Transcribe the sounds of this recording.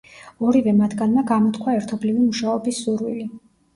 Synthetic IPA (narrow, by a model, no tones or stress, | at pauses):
ɔɾivɛmat̪ʰɡanmaɡamɔt̪ʰkʰwaɛɾt̪ʰɔblivimuʃaɔbisːuɾwili